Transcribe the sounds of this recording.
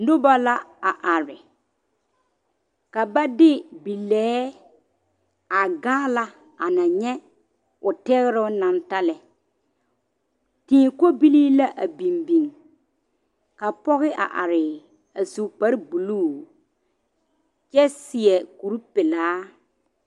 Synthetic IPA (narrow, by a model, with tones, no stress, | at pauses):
nʊ˦ba˦la˦a˨ʔa˨ɾɪ˨ | ka˨ba˦dɪ˦bi˨lɛː˦ | a˨ɡaː˦la˦ | a˨na˨ɲɛ˦ | ʊ˨tɛ˦ɣɪ˦ɾʊ˦na˨nta˦lɛ˨ | tĩː˦ko˦bi˦liː˦la˦ʔa˨bi˨mbi˨ŋ | ka˨pɔ˦ɣɪ˦ʔa̰˨ʔa˨ɾɪ˨ | a˨su˨k͡pa˦ɾbu˨luː˦˨ | t͡ʃɛ˦sɪ˨ɛ˨ku˨ɾu˦pɪ˨laː˦